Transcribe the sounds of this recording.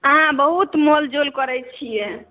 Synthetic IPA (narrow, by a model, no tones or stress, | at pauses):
əɦãbəɦut̪mold͡ʒolkəɾɛt͡ʃʰijɛ